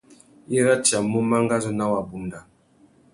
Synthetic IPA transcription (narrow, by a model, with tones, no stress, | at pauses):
i˦ɾa˦t͡ʃja˨mu˦ma˦ŋ˦ɡa˦zu˦na˦wa˨bu˨nda˨